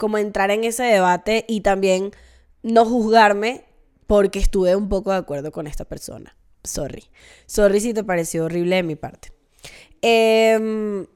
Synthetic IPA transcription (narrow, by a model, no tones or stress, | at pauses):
ko̞mo̞e̞nt̪ɾaɾe̞ŋe̞se̞ðe̞β̞at̪e̞ʔit̪ambje̞n | no̞xuzɣaɾme̞ | po̞ɾke̞ːst̪uβe̞umpo̞ko̞ðeakwe̞ɾðo̞ko̞ne̞st̪ape̞ɾso̞̰na̰ | so̞̰rḭ | so̞ris̬it̪̬e̞paɾe̞sjo̞ːriβ̞le̞ðemipa̰ɾt̪e̥ | em